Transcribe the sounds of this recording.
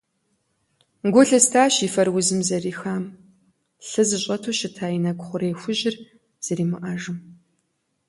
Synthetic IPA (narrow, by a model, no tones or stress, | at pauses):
ɡʷʊɬɨstʰaːɕiːfɐrwʊzɨmzɐriːxaːm | ɬɨzɨɕʼɐtʰoːɕɪtʰaːjinɐɡʷʼʊχʷʊɾeːxʷʊʑɪr | z̥ɐɾiːmɨʔɐʒɨm